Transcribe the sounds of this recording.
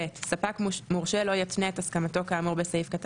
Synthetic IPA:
etsapakmuʁʃelo̞jatneetaskamato̞kaːmuʁbesajifkat

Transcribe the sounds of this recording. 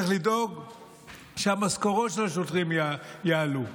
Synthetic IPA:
ilido̞ɡ | ʃeamaskoʁotʃelaʃotʁimjaalu

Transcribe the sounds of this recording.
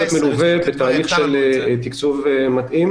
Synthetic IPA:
at̪meluvebet̪aːliχʃelt̪ikt͡suvemat̪ʔim

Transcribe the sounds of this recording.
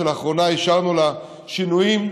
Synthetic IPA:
elaːχʁo̞naiʃaʁnula | ʃinujim

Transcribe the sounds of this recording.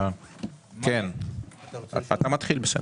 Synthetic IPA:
ken | at̪amat̪χilbesḛ

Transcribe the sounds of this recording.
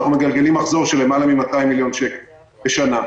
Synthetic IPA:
χnume̞ɡalɡe̞limaχzo̞ʁʃele̞malamimat̪aimːiljo̞nʃek | beʃana

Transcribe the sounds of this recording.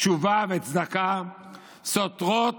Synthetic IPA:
t͡ʃuvavet͡sd̪aka | sot̪ʁot

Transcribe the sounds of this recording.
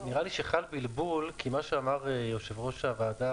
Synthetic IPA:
niʁaliʃeχalbilbulkʰimaʃeamaʁejoʃevʁo̞ʃavaːda

